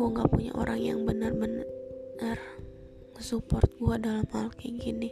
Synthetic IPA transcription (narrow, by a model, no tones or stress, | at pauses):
aŋɡapuɲa̰ʔo̰ɾʔaŋja̰ŋbənarbənar | əsupɔrt̪̚ɡuadalamhalkiɡini